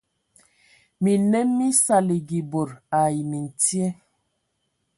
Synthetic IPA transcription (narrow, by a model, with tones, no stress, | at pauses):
mi˨nɛ˦mːi˦sa˨li˨ɡi˨bo˨ɾa˨ji˨mi˨n˨ti˦ɛ˦